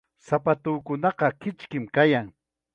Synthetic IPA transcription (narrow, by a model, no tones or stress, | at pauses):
sapat̪ʊkʊnɑqɑkɪt͡ʃkɪmkajaŋ